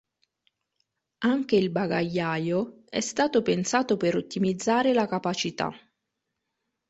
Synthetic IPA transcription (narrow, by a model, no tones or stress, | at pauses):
aŋk̟eilbaɡajːajo | ɛ̰st̪aːt̪opensaːt̪opeɾot̪ːimid̪zːaːɾelakapat͡ʃit̪a̰